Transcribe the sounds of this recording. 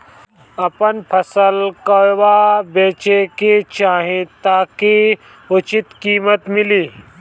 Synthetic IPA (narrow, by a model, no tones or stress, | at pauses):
ɐpənpʰɐsəlkəwabeːt͡ʃeket͡ʃaːɦẽt̪aːke | ʊt͡ʃɪt̪kiːmət̪mɪliː